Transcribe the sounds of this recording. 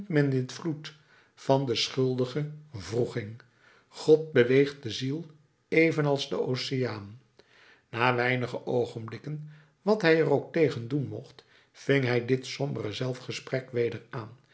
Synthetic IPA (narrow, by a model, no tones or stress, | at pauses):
tmɛndɪtflut | v̥ɑndəsχɵlˠdəχəvruχɪŋ | χɔt̚bəʋejχt̚dəzilˠ | ejvənɑlˠzdəowsɪaːn | naːʋɛjnəχəʔowχənblɪkən | ʋɑtɦɛjərowk̚tejχəndunmɔχt | fɪŋɦɛjdɪtsɔmbərəzɛlˠfχəsprɛkʋejdəraːn